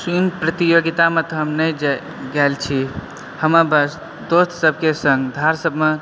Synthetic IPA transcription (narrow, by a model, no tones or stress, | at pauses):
sunpɾət̪ijoɡit̪amẽt̪ɔɦəmnəjd͡ʒ | ɡɛlt͡ʃʰi | həməbəs | d̪ost̪ʰsəbʱkesə̃ŋɡd̪ʱaɾsəbʱme